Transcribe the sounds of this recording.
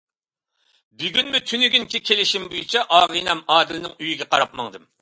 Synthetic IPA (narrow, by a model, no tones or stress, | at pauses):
byɡʲynmyt̪ʰynyɡʲynkʲɪkʲʰelɪʃimbojut͡ʃʰɑʔɑːʁɨnɛmɑːd̪ɪlɪnɪŋyjiɡʲɛqʰɑɾɑp̚mɑ̰ŋd̪ɨm